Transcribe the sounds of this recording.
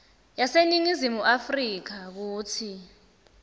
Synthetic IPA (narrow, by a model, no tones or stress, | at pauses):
jaseniŋizimuʔafriːk̬ak̬uːtʰi